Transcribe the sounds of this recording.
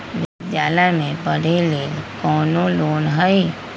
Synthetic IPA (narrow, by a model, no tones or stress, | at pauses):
d͡ʒad͡ʒaːlamẽbəɾileːlkɔːnõloːnɦəi